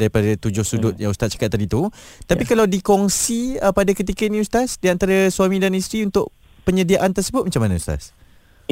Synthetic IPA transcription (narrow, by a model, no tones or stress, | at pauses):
daɾipadat̪ud͡ʒʊhsudʊt̪̚jãŋust̪at̪̚t͡ʃḁkat̪ːadit̪ut̪apikalawdikɔŋsiəpadakət̪̬ikəinĩust̪asdiant̪aɾasuamĩdanist̪ɾiunt̪ʊʔ | pəɲədiaʔant̪ərsəbʊt̪̚mat͡ʃamːanəust̪a̰s